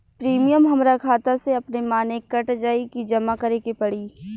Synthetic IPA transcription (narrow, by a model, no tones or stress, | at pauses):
pɾiːmijəmɦɐmɾakʰaːt̪aseɐpnemaːnekːɐʈd͡ʒaːikid͡ʒɐmakɐɾeːkepɐɽiː